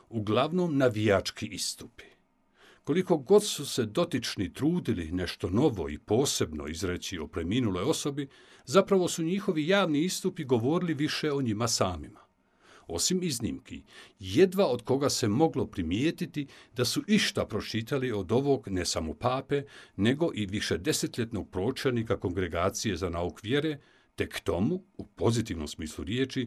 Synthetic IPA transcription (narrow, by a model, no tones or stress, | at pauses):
uɡlaʋno̞ːmnaʋijat͡ʃkʰiʔist̪u̥pi̥ | ko̞liko̞ɡo̞d̪suse̞d̪o̞t̪it͡ʃnit̪ɾuːd̪ilḭne̞ʃt̪o̞no̞ʋo̞̰ḭpo̞ːse̞bno̰izɾe̞t͡ɕiopɾe̞miːnulo̞jo̞so̞bi | zapɾaʋo̞suɲiːxo̞ʋijaːʋniist̪upiɡo̞ʋo̞ːɾiliʋiʃe̞o̞ɲimasaːmima | o̞̰simiznḭːmkʰḭje̞d̪ʋao̞d̪ko̞ɡase̞mo̞ɡlo̞pɾimjeːt̪it̪id̪asuʔiʃt̪apɾo̞t͡ʃiːt̪alio̞d̪o̞ʋo̞ːɡne̞samopaːpe̞ne̞ɡo̞ʔiʋiʃed̪e̞se̞t̪ʎet̪no̞ɡ̥̚pɾo̞ːt͡ʃelnikako̞ŋɡɾe̞ɡaːt̪sije̞zanaːukʋje̞ɾe̞ | t̪e̞kt̪o̞muupo̞zit̪iʋno̞̰msmiːslˠuɾjeːt͡ʃi